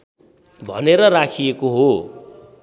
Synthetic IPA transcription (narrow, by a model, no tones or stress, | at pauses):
bʱʌ̰neɾʌrakʰijekoɦo